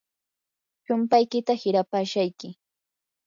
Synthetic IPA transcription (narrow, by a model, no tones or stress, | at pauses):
t͡ʃʊmpajkɪt̪ahɪɾapaːʃajkɪ